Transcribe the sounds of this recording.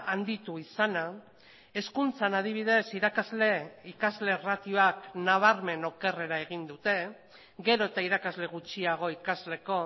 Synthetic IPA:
and̪it̪uisana | e̞skunt͡sanað̞iβ̞ið̞e̞siɾakazle̞ikazle̞rat̪ioaknaβ̞aɾme̞no̞ke̞re̞ɾae̞ɣ̞ind̪ut̪e̞ | ɣe̞ɾo̞et̪aiɾakazle̞ɣ̞ut͡ʃiaɣ̞o̞ikazle̞ko̞

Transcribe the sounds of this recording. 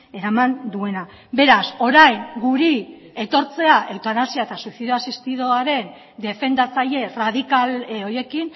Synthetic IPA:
e̞ɾamand̪ue̞na | be̞ɾaso̞ɾajŋɡuɾi | e̞t̪o̞ɾt͡se̞aʔewt̪anasiaet̪asuθeðoasist̪iðoaɾe̞n | d̪e̞fe̞nd̪at͡saʎe̞rað̞ikaloje̞kin

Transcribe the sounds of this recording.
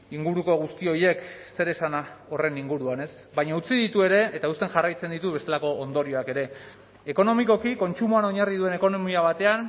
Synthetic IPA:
iŋɡuɾuko̞ɣ̞ust̪io̞je̞kse̞ɾe̞sanao̞re̞niŋɡuɾuane̞s | βaɲaut͡siðit̪ue̞ɾe̞ːt̪aust̪enʝarajt͡se̞nd̪it̪uβe̞st̪e̞lako̞ːnd̪o̞ɾio̞ake̞ɾe̞ | e̞ko̞no̞miko̞kiko̞nt͡sumuano̞ɲarið̞ue̞ne̞ko̞nomiaβ̞at̪e̞an

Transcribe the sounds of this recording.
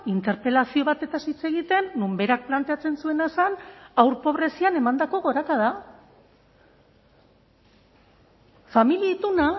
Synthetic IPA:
int̪e̞ɾpe̞lasio̞βat̪e̞t̪asit͡se̞ɣit̪e̞nːumbe̞ɾak̚plant̪e̞at͡se̞nsue̞nasanawɾpo̞β̞ɾe̞siane̞mand̪ako̞ɣo̞ɾakað̞a | familiait̪una

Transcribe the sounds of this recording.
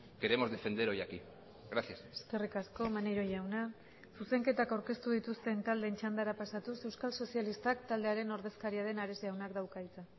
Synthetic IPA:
ke̞ɾe̞mo̞zðe̞fe̞nd̪e̞ɾo̞jaki | ɣɾaθjaseske̞rikasko̞maneɾo̞jawna | suse̞ŋke̞t̪akawɾke̞st̪uð̞it̪ust̪e̞nt̪ald̪e̞nt͡ʃand̪aɾapasat̪use̞wskalso̞sjalist̪akt̪ald̪eaɾe̞no̞ɾðe̞skaɾiaɾe̞naɾe̞siawnakd̪awkait͡sa

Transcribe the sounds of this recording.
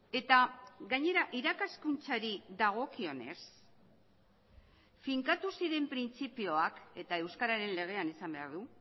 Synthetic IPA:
e̞t̪aɡaɲe̞ɾaʔiɾakaskunt͡saɾiðaɣ̞o̞kio̞ne̞̰s | fiŋkat̪usiɾe̞mpɾint͡sipio̞ake̞t̪ae̞wskaɾaɾe̞nle̞ɣ̞e̞anisambe̞a̰ɾðu

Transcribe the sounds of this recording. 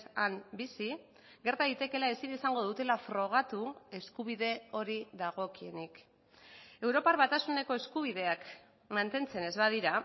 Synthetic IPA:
ambisi | ɡe̞ɾt̪aðit̪e̞ke̞lae̞sinisaŋɡo̞ðut̪e̞lafɾo̞ɣ̞at̪ue̞skuβiðe̞o̞ɾiðaɣ̞o̞kie̞nik | e̞wɾo̞paɾβat̪asune̞ko̞e̞skuβ̞iðe̞ak | mant̪e̞nt͡se̞ne̞zβaðiɾa

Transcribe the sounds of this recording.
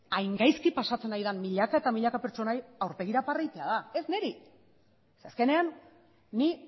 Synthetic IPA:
ajŋɡajskipasat͡se̞najðammiʎakaet̪amiʎakape̞ɾt͡ʃo̞najawɾpe̞ɣ̞iɾaparajt̪e̞aðae̞zne̞ɾi | seaske̞ne̞anː | i

